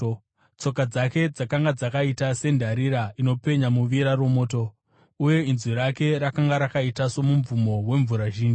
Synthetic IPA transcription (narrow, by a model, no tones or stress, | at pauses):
t͡so̞kad͡zake̞d͡zakaŋɡad͡zakaitase̞ndʱaɾiɾaino̞pe̞ɲamuʋiɾaro̞mo̞ːto̞ | uje̞inzwiɾake̞ɾakaŋɡaɾakaitaso̞muɱvumo̞we̞ɱvuɾaʒiːnd͡ʒi